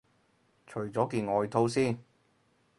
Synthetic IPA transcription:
t͡ʃʰɵ˨˩ɥt͡sɔː˨˥kiː˧nɔː˨˧jt̪ʰo˧˥wsiː˥˩n

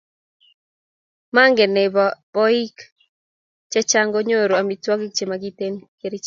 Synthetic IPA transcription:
ma˦ŋɡe˨ne˨bb̥ɔ˦i˦k | t͡ʃɛ˦t͡ʃa˦ŋɡo˦ɲo˦ɾo˨a˨mi˨twɔ˦ɡɪ˦k̚t͡ʃe˨ma˨ɡi˦te˦nke˦ɾi˦t͡ʃ

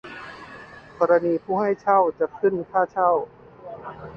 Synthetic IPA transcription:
kʰɔː˧ɾa˧niː˧pʰuː˥˩ɦa˥˩jt͡ɕʰa˥˩wt͡ɕa˨˩kʰɯ˥˩nkʰaː˥˩t͡ɕʰa˥˩w

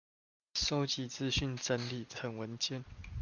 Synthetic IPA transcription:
so˦˥ʊt͡ɕi˨˦t͡sɹ̩˥˨ɕy˥˨nt͡sə˦nli˨˩ə˨˦nwə˨˦nt͡ɕjɛ˥˨n

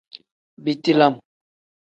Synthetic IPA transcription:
bi˨ti˦la˦˨m

